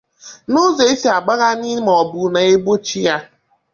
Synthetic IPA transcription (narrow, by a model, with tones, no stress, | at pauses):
no˦ze˨i˦si˨a˨ɡ͡ba˦ɣa˦ni˦m˨ɔ˨bu˨na˨e˦ɡ͡bo˦t͡ʃi˦ja˦